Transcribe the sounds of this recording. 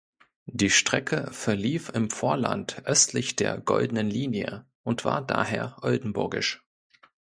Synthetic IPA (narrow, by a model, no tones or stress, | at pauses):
d̥iːʃtʁ̥ɛkʰəfɛɐliːfɪmfoːɐla̰ntʔœstʰlɪçd̥eːɐɡɔ̰ldənənliːnjə̰ | ʔʊntv̥a̰ːɐda̰ːɦeːɐʔɔldn̩bʊɐɡɪʃ